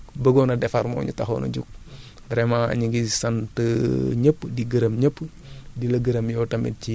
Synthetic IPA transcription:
bəɡonɐdɛfɐɾmo̰ɲṵtaxo̰nɐ̰ɟuk̚ | bɾɛmaɐ̰ɲiɡisɐntəɲəpːdiɡəɾəmɲəpː | dilɐɡəɾəmjɔtɐmḭt̚ci

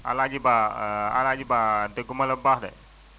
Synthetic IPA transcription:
a̰lad͡ʒibaa̰lad͡ʒibad̪əɡumaləbahda̰ʔ

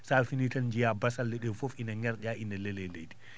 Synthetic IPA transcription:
salfinitand͡ʒijabasalːɛɗɛfofinaŋɡɛɾɗaʔindɛlɛlɛlḛjdi̥

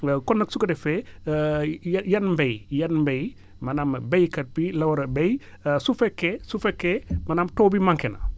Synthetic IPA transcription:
kɔnːɐk̚sukɐdɛfɛ | jɐnmbejjɐnmbej | mɐnambejkɐt̚bilɐwɐɾɐbej | sufɛkːɛsufekːemɐnamtoːbimaŋkɛnɐ̰

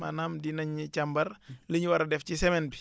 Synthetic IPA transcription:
a̰naːmdinɐɲːit͡ʃɐmbɐɾləɲwɐɾɐdɛfcisɛmɛnbi̥

